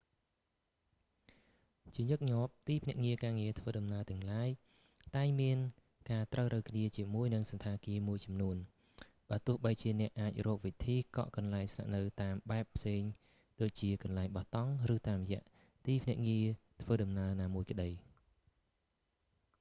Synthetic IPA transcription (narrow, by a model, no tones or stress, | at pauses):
t͡ɕiəɲɨk̚ɲŏəp̚t̪iːpʰnɛ̆əʔŋiəkaːŋiət̪ʰʋəːɗɑmnaət̪ɛ̆əŋlaːj | t̪aɛŋmiən | kaːt̪rəwrɨwkʰniət͡ɕiəmuəjnɨŋsɑnt̪ʰaːkiəmuəjt͡ɕɑmnuən | ɓaːt̪ʊ̆əhɓəjt͡ɕiənɛ̆əʔːaːc̚rɔːk̚ʋit̪ʰiːkɑ̰ʔkɑnlaɛŋsna̰ʔnɨwt̪aːmɓaɛpʰːseːŋ | ɗoːc̚t͡ɕiəkɑnlaɛŋɓɑht̪ɑŋrɨːt̪aːmrjɛ̆əʔ | t̪iːpʰnɛ̆əʔŋiət̪ʰʋəːɗɑmnaənaːmuəjkə̆ɗəj